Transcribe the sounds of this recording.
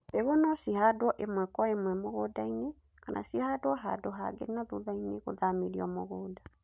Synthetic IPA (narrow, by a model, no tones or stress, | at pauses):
peɣɔnɔsihadoɔʔemwɛkɔemwɛmoɣodaine | kanʔa̰sihadoɔɦadoɦa̰ɡḛnaðuðaineɣo̰ðameɾiɔmoɣoːda